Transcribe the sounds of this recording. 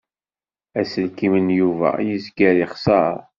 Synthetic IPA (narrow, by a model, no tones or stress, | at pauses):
æsəlkimənjuvæ̰jizɡæɾiχsɑɾˤ